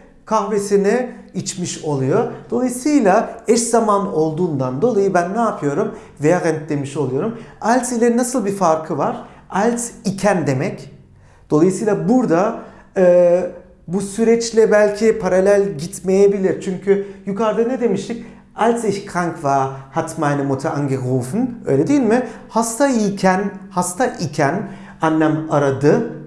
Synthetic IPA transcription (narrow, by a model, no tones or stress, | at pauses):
kʰaxve̞sinɛit͡ʃmiʃo̞lˠujo̞d̪̥o̞lˠajɯsɯjlʲˠaɛʃz̥amano̞lˠd̪uːnd̪and̪o̞lˠajɯbænːaːpʰɯjo̞ɾum | vejaɣɛnt̪̚d̪e̞miʃo̞lˠujo̞ɾumælʲt̪ilʲenasɯlˠbifaɾkʰɯvaɾ̥ | alʲt̪icʰænd̪e̞mɛc | d̪̥o̞lˠajɯsɯjːlˠabuɾd̪a | ɯː | busyɾɛt͡ʃlʲɛbælʲcʰipʰaɾalʲælʲɟit̪ʰme̞jebilʲiɾt͡ʃʰyɲcʰyjukʰaɾd̪anɛd̪e̞miʃt̪ʰic | alʲt̪ʰɛʃkʰaŋkvahat̪ʰmajnɯmot̪ʰaʔaŋɟeɣufɯnø̰jlʲed̪ejilʲmɪ | hast̪ʰaicʰænhast̪ʰaʔicʰæn | anːæmaɾad̪ɯ